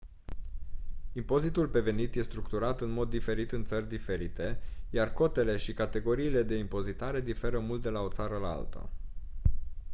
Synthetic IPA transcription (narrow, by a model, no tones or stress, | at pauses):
impo̞zit̪ulpe̞ve̞nit̪je̞st̪ɾukt̪uɾat̪ɨnmo̞d̪ːife̞ɾit̪ɨnt̪sərʲd̪ife̞ɾit̪e̞jarko̞t̪e̞le̞ʃikat̪e̞ɡo̞ɾiːle̞d̪e̞impo̞zit̪aɾe̞d̪ife̞ɾəmult̪̚d̪e̞lao̞t̪saɾəla̰lt̪ə̰